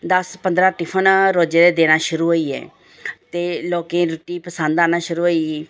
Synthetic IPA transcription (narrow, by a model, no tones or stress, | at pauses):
d̪əspənd̪ɾaːʈɪpʰənɾoːd͡ʒeːd̪eːd̪eːnaːʃʊɾuːɦoːiːɛ̰ː | t̪eːloːkẽːɾʊʈːiːpəsənd̪aːnaːʃʊɾuːɦoːiː